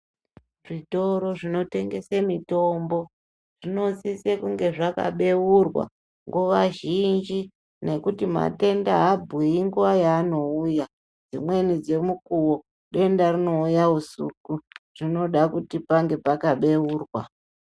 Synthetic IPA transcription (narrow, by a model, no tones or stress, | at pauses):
ʐito̞ɾo̞ʐino̞te̞ŋɡe̞semito̞mbo̞ | ʐino̞sisekuŋɡe̞ʐaka̰ɓe̞wurwa̰ | ŋɡuʋaʒind͡ʒi | ne̞kutima̰te̞ndaɦabʱɣiiŋɡuʋajaːno̞uja | d͡zimwe̞nid͡zemukuwo̞ | ɗe̞ndarino̞ujausṵkuʐ̥ino̞ɗakutipaŋɡe̞pakaɓe̞wuːrwa̰